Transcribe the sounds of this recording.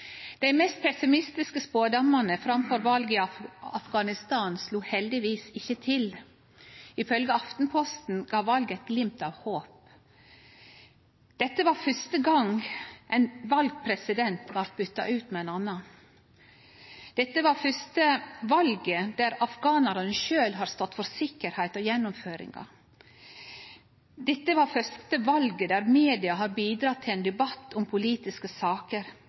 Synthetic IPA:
d̪̥æɪmɛst̪̚pʰɛsɪmɪst̪ɪskəspoːd̪ɑmːɑnəfɾɑmfɔɾʋɑlɡəɪɑfɡɑnɪst̪ɑːnsluːhɛld̪ɪʋiːsɪçːət̪ʰɪl | ɪfœlɡəɑft̪n̩pʰɔst̪n̩ɡɑːʋɑlɡɛɪt̪̚ɡlɪmp̚t̪ɑʋhoːp | d̪̥ɛt̪ːəʋɑːɾfœst̪əɡɑŋʔɛnʋɑlɡ̚pʰɾɛsɪd̪ɛnt̪ʋɑɾt̪̚bʏt̪ːɑ̰ʔʉːt̪mɛɛnɑnːɑ | d̪̥ɛt̪ːəʋɑɾfœst̪əʋɑlɡəd̪æɾɑfɡɑːnɑɾɑnəʃøːlɦɑːɾst̪ɔt̪ːfɔɾsɪkːəɾhæɪt̪ɔjɛnːʊmføːɾɪ̰ŋɑ̰ | d̪ɛt̪ːəʋɑːɾfœst̪əʋɑlɡəd̪æɾmeːd̪ɪɑɦɑːɾbiːd̪ɾɑːt̪ʰɪlɛːnd̪ɛbɑt̪ːʊmpʰʊliːt̪ɪskəsɑːkəɾ

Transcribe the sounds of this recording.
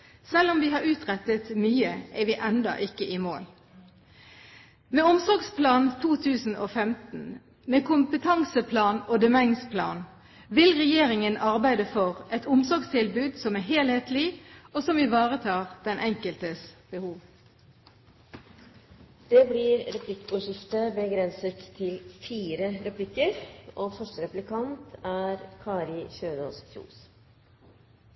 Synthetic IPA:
sɛlːɔmʋiːhɑːʁʉːt̪ʁɛt̪ət̪myːəɛʋiːʔɛnd̪ɑ̰ʔɪkːəʔiːmo̰ːl | meːʊmsɔʁɡspʰlɑːnt̪ʰuːt̪ʰʉːsn̩ʔoːfɛmt̪n̩ | meːkʰʊmpət̪ʰɑŋsəpʰlɑːnoːd̪ɛmɛŋspʰlɑ̰ːn | ʋɪlʁɛjeːɾɪŋənɑʁbæɪd̪əfɔʁɛt̪ʊmsɔʁɡst̪ʰɪlbʉːd̪sɔmæːɦeːlheːt̪lɪoːsɔmɪʋɑːʁət̪ʰɑːʁd̪̥ɛnʔɛŋkəlt̪əsb̥əhuːʋ | d̪̥ɛːblɪːɾɾɛpʰlɪkːʊʂɪft̪əbəɡɾɛnsət̪ʰːɪlfiːɾəɾɛpʰlɪkːəɾoːfœʂʈəɾɛplɪkʰɑnt̪æɾkʰɑːɾɪçøːnɔ̰ːsktṵːs

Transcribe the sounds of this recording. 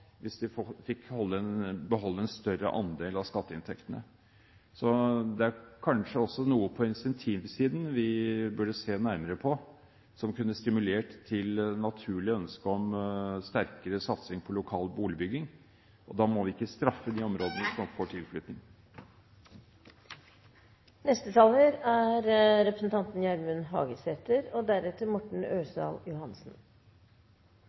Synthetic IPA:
ʋɪsd̪ɪffɪkhɔlːəɛnbəɦɔlːəɛnst̪œɾə̰ʔɑ̰nd̪eːlɑskɑt̪ːəɪnt̪ʰɛkt̪ənə̰ | sɔd̪ɛæɾkʰɑnʂəɔsːɔnuːəpʰɔɪnsɛnt̪ʰiːʋsiːd̪n̩ʋɪbʉɖəseːnæɾməɾəpʰɔ | sɔmkʉnːəst̪ɪmʉleːʈt̪ʰːɪlnɑt̪ʰʉːɭɪœnskəɔmst̪æɾkəɾəsɑt̪sɪŋpʰɔlʊkʰɑːlbuːlɪbʏɡːɪŋ | ʔɔd̪ɑːmɔʋɪɪkːəst̪ɾɑfːəd̪iːɔmɾoːd̪ənəsɔmfoːʈʰɪlflʏt̪nɪŋ | nɛst̪ət̪ʰɑːləɾæɾɾɛpɾəsn̩t̪ʰɑnt̪n̩jɛlmʉnɦɑ̰ːɡəset̪əɾɔd̪æɾɛt̪ːəɾmɔʈɳ̩øːsɑ̰ːljʊhɑnsn̩

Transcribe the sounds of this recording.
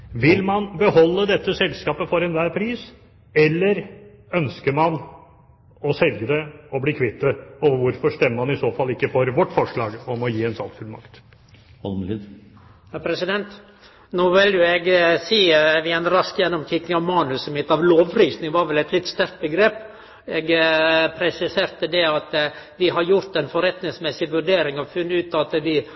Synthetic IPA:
ʋɪlmɑnbəhɔlːəd̪ɛt̪ːəsɛlskɑːpəfɔɾɛnʋæːɾpʰɾiːs | ɛlːəɾœnskəɾmɑn | ɔsɛlɡəd̪ɛɔbliːkʰʋɪt̪ːəɔʋəʋʊɾfɔʂt̪ɛmːəɾmɑnɪsoːfɑlːɪkːəfɔɾʋɔʈːfɔʂɭɑːɡɔmɔjiːɛnsɑlk̪fʉlmɑ̰kt̪ | hɔlmid̪ | hæɾpʰɾɛsɪd̪ɛnt̪ | noːʋɪljʊɛɡsiːəʋɪɛnɾɑskjɛnːɔmk̪ʰɪkːɪŋɑʋmɑːnʉsəmɪt̪ːɑʋloːʋɾiːsnɪŋʋɑːɾʋɛlɛt̪lɪt̪st̪æɾkt̪̚bəɡɾeːp | ɛɡpʰɾɛsɪseːɾt̪əd̪ɛɑt̪ | ʋɪɦɑɾjʊɾt̪ɛnfɔɾɛt̪nɪŋsmɛsɪʋʉɾɖeːɾɪŋɑʋfʉnːəʉːt̪ɑt̪d̪ɪ

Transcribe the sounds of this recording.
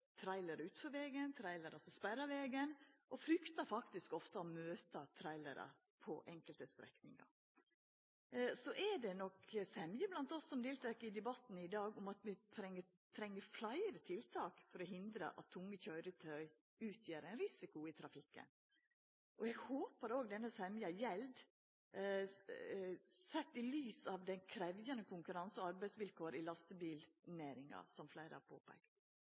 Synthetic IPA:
t̪ʰɾæɪləɾʉːt̪fɔʋeːɡənt̪ʰɾæɪləɾʔɑsɔspæɾɑʋeːɡənʔɔfɾʏkt̪ɑɾfɑkt̪ɪskɔft̪əɔmøːt̪ɑt̪ʰɾæɪlə̰ɾə̰ | pʰɔ̰ʔɛŋkəlt̪əst̪ɾɛ̰knɪ̰ŋɑ̰ | sɔʔɛdɛnɔksɛmjəblɑnt̪ɔsːɔmd̪eːlt̪ʰɾɛkːɪd̪ɛbɑt̪n̩ɪd̪ɑːɡʊmɑt̪mɛt̪ʰɾɛŋːə | t̪ʰɾɛŋːəflæɪəɾət̪ʰɪlt̪ʰɑːkfɔɾɔɦɪnd̪ɾə̰ʔɑ̰t̪ʰːʊŋːəçœʏɾət̪ʰœʏ | ʉːt̪ʰjeːɾæɪnɾɪsɪkʊɪt̪ʰɾɑfɪkːə̰n | ʔɔɛɡhoːpəɾoːɡd̪ɛnːəsɛmjɑjɛld̪ | sɛt̪ːɪlyːsɑʋd̪ɛnkʰɾɛʋjənəkʰʊŋkʉɾɑnsɔɑɾbæɪsʋɪlkʰoːɾɪlɑst̪əbiːlnæːɾɪŋɑ̰sɔmflæɪɾə̰ɑ̰pʰo̰ːpʰæ̰kt̪

